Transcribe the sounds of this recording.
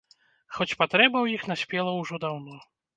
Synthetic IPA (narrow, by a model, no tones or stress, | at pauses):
xɔt͡ɕʲpat̪ɾɛbɐwjixnasʲpʲɛlˠɐwʐɔd̪awnɔ